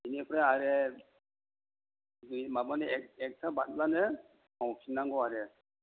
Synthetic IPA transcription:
inɛpɾaaɾɛ | dujmabanɛkɛk̚tʰabat̚lanɛ | mawkʰinaŋɡɔaɾɛ

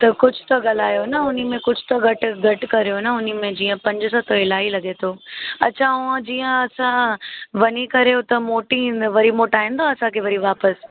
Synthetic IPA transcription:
t̪ɐkʊd͡ʑʱʊ̥t̪ɐɠɐlaːjonɐʊnimẽkʊd͡ʑʱʊt̪ɐɡɐʈ̆ɡʱɐʈkɐɾijonəʊnimẽd͡ʑiːə̃pɐ̃ɲd͡ʑʊsãt̪ʰoɪlaːilɐɡet̪ʰoːɐ̰t͡ɕʰãʊãd͡ʑiːə̃ɐsãʋɐɲikɐɾeot̪ɐmoːʈĩnd̪ʋɐɾimoːʈaːĩːnd̪aɐsãkʰeʋɐɾiʋaːpəs

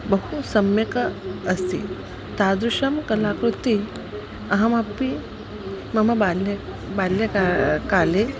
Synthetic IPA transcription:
bəɦusəmjəkəəsḭ | t̪ad̪ɾuʂəmkəlakɾut̪i | ɐɦamapːi | məməbale | baljəkakale

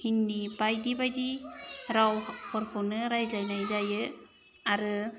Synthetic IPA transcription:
hinːibajdibajdiɾawhʰɔɾkʰɔnɯɾajzajnajzajɯ | aɾɯ

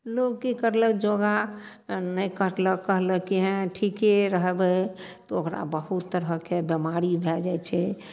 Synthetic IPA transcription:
lokkikəɾləkd͡ʒoɡa | nəjkəɾləkːəɦləkiɦɛ̃ʈʰikeɾəɦbɛt̪ɔokɾa̰bəɦut̪ːəɾɦəkebemaɾibʱɛd͡ʒajt͡ʃʰɛ

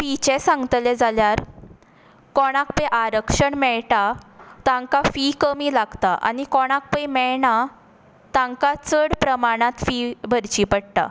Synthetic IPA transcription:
fit͡ɕɛ̃sãŋɡət̪lɛd͡zaljaɾ | kɔɽ̃ak̚pəjʔaɾəkʂəɳmɛɭʈat̪ãŋkafikəmiːlaɡt̪aʔa̰nikɔɽ̃ak̚pəjmɛɭɳa | t̪ãŋkat͡səɽpɾəmaɽ̃ãt̪fibʱəɾt͡ɕipəɽt̪a̰

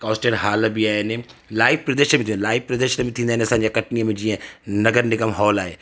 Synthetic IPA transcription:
kɔːsʈeɾɦaːləbiaːɦenelaːɪfpɾɐd̪eːʃəmẽt̪ʰĩːnd̪laːɪfpɾɐd̪eːʃəmẽt̪ʰĩːnd̪aːneɐsãːɲd͡ʑekɐʈnijəmẽd͡ʑiːə̃nɐɡəɾnɪɡəmɦɔːlaːɦḛː

